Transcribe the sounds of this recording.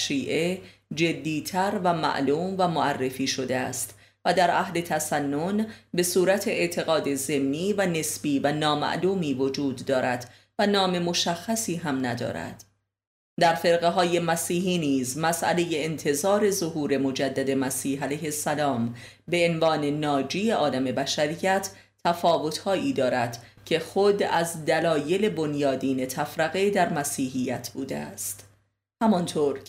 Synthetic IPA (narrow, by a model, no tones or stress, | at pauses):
ʃiːʔe̞d͡ʒe̞d̪ːiːt̪ʰæɾvæmæ̰ʔluːmvæmoærːe̞fiːʃo̞d̪eæ̰st̪ | væd̪æɾʔæhle̞t̪ʰæsænːo̞nbe̞suːɾæt̪ʰe̞eʔt̪ʰe̞ɣɒːd̪e̞ze̞mːiːvæne̞sb̥iːvænɒːmæ̰ʔluːmiːvo̞d͡ʒuːd̪ːɒːɾæd̪̥ | vænɒːme̞mo̞ʃæxːæsiːɦæmnæd̪ɒ̰ːɾæ̰d̪̥ | d̪æɾfe̞ɾɣeɦɒːje̞mæsiːɦiːniːzmæsʔæ̰leje̞ːnt̪ʰe̞zɒːɾe̞zo̞ɦuːɾe̞mo̞d͡ʒæd̪ːæd̪e̞mæsiːɦælæjhe̞sːælɒːm | be̞ːnvɒːne̞nɒːd͡ʒiːe̞ɒːlæme̞bæʃæɾijæt̪ʰ | t̪ʰːæfɒːvo̞t̪hɒːʔiːd̪ɒːɾæd̪̥ | cʰe̞xod̪æzd̪ælɒːje̞le̞bo̞njɒːd̪iːne̞t̪ʰæfɾæɣed̪æɾmæsiːɦijæt̪ʰbuːd̪eæ̰st̪ | hæmɒnt̪ʰoːɾ